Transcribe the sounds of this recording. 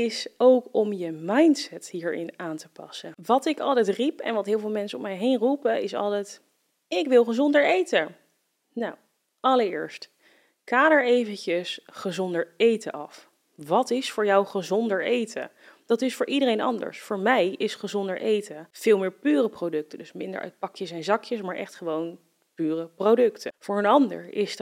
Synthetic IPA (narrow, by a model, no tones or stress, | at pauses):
ɪsowkɔmjəmɑjntsɛtɦiːɹɪ̰naːntəpɑ̰səʋɑtɪkɑ̰lˠtɛjtripɛ̰nʋɑtɦɪːlˠvɪlˠmɛnsəɔmɛjɦejnrupəɪsɑ̰lˠtɛjt | ɪkʋɪlˠχəzɔndəɹejtə | naw | ʔɑləɹɪ̰ːɹst | kaːdəɹejvəncəsχəzɔndəɹejtəʔɑf | ʋɑtɪsfʊːɹjawχəzɔndəɹejtʰə̰ | d̥ɑtɪsfʊːɹʔidəɾejnɑ̰ndə̰ɹsfʊːɹmɛjɪsχəzɔndəɹʔejtəv̥ɪːlˠmɪːɹpyːrəprodɵk̚tədɵsmɪndə̰ɹʔa̰t̚pɑkjəsɛnzɑkjəsmaːɹʔɛ̰χtχəʋown | pyːrəprowdɵktʰəv̥ʊːɹənɑndə̰ɹɪs